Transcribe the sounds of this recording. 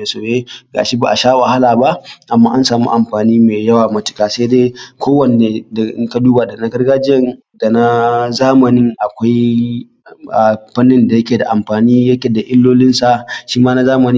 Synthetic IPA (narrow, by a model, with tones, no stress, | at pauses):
e˨soː˨jeː˦ɡa̰ː˨ʃi˦ba̰˨ʔa˨ʃaː˦wɐ˨ha˦laː˨ba˦ʔʔa˨mːaː˦ʔa˦nsaː˨mṵ˦ʔa˨mɸaː˨niː˦meː˨jɐ˦waː˨mɐ˦tɪ̥˨kaː˨se˦deː˦kʷoː˦wɐ˨neː˨da˨ʔɪ˦ŋka˦duː˦ba˨da˨na˨ɡɐ˦rɡaː˦d͡ʒɪ˦ɛ˦n | da˨na˦zaː˦mɐ˨nɪ˦ŋʔa˨kʷa˦j | a˨ɸɐ˦nːɪ˦nda˨jɐ˦kʲeː˨da˨ʔa˨mɸaː˨niː˦jɐ˦kʲeː˨da˨ʔɪ˦lːoː˦lɪ˦nsa˨ʃiː˦maː˦na˦zaː˦mɐ˨ni˦